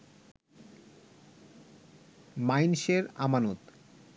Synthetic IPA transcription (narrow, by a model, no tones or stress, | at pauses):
majnʃeɾa̰manot̪